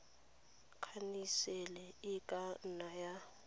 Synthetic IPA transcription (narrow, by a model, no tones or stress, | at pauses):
kʰanisɛlɛɪkʼanaja